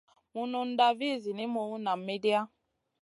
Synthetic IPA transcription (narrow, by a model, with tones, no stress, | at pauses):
mu˦nu˨n̩˦da˦vi˦˨zi˨ni˦mo˨u˦na˨me˦di˦a˦